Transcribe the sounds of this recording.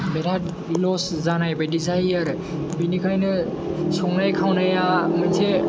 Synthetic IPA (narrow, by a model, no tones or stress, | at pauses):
beɾa | lɔs | zanajbadizajaɾ | binikʰajnɯ | sɔŋnajkʰawnajamanse